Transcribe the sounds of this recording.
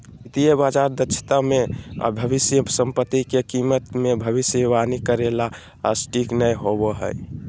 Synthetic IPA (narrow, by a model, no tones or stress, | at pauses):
it̪ijəbad͡ʒaɾd̪ət͡ʃʰt̪amḛbʱəbisjəsəmpət̪ːikekimət̪mebʱəbisəʋanikəɾela̰ː | sʈʰiknəjɦobəɦə̰j